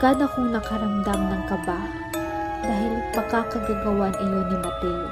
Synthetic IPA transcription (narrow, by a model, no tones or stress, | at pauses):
ɡ̥aːnokoŋnɐkɐɾɐmd̪amnɐŋkɐba | d̪̥aːɦɪlpɐkakɐɡaɡɐwanʔɪjonɐmɐp̪ɛj